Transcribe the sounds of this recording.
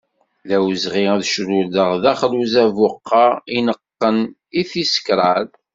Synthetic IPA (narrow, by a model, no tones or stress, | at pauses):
læwzʁiæðʃɾuləʁðæχluzævʊqːɑinəqːən | iθisə̥kɾˤɑl